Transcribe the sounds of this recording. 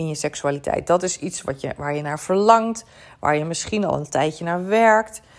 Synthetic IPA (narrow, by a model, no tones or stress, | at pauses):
ɪnjəsɛksyaːlitʰɛ̰jt̚dɔtɪsitsʋɔ̰jəʋaːɹjənaːɹfəɹlɑŋt | ʋa̰ːɹjəmɪsχinɔ̰lˠə̰ntɛjjənaːɹʋɛɹkt